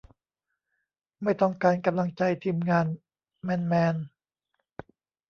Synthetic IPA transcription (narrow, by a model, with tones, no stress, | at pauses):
ma˥˩jt̪ɔ˥˩ŋkaː˧nka˧mla˧ŋt͡ɕa˧jt̪ʰiː˧mŋaː˧n | mɛː˧nmɛː˧n